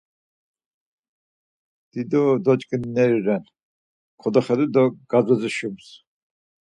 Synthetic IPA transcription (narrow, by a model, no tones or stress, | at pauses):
d̪̥id̪ɔd̪ɔt͡ʃʼkʼnːɛɾiɾɛn | kʰɔd̪ɔχɛd̪ud̪ɔɡ̥azɔziʃums